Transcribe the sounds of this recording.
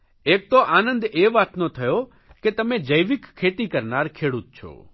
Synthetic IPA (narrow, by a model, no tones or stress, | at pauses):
eːk̚t̪oʔaːnə̃nd̪eːʋaːt̪not̪ʰɐjo | ket̪ɐmẽd͡ʑɐjʋɪkkʰːeːt̪ikɐɾnaːɾkʰeːɽʊt̪̚t͡ʃʰo̰ː